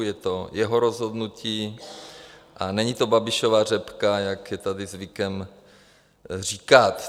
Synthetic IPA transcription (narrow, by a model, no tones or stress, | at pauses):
jɛt̪ojɛɦoɾozɦodnuciː | ʔanɛɲit̪obabɪʃovaːr̝ɛpkajakjɛt̪adɪzvɪkɛm | r̝iːkat̪